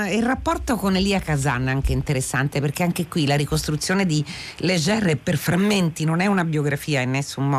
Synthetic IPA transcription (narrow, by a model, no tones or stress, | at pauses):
ilrapːɔrt̪okonːeliːakaza̰nːaŋkeint̪eɾesːant̪eperkeaŋk̟ekwilaɾikost̪ɾut̪sːjoːned̪iled͡ʒɛɾɛperfɾamːent̪inonɛunabjoɡɾafiːainːesːummɔ